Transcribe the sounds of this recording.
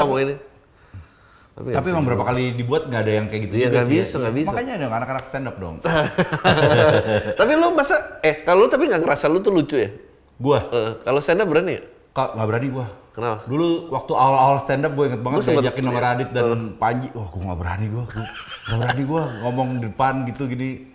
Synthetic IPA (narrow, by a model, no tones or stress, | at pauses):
amɔini | a̰pit̪apimaŋbəɾapakalidibuat̪̚ŋɡaːdajaŋkajaɡit̪ujd͡ʒiɡabisaŋɡabismakaɲadɔŋanakanakst̪ɛndap̚dɔ̰ŋ | t̪apilumasaɛkalolut̪apiŋɡaŋəɾasalut̪ulut͡ʃuja | ɡuaəkalost̪ɛndap̚bəɾani | kaŋɡaʔbəɾaniɡuakənapaduluwak̚t̪uaalaalst̪ɛndap̚ɡuaiŋət̪̚baŋət̪diad͡ʒakɪnnamaɾadɪt̪̚danpaɲd͡ʒiaɡuŋɡabəɾa̰niɡuaɡuŋɡabəɾaniɡuaŋɔmɔŋdidəpanɡit̪uɡini